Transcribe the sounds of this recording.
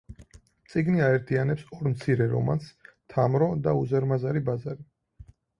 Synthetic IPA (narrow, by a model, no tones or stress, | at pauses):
t̪sʼiɡniaɛɾt̪ʰianɛpsɔɾmt̪sʰiɾɛɾɔ̰ma̰nst̪ʰamɾɔd̪auzɛɾmazaɾibazaɾi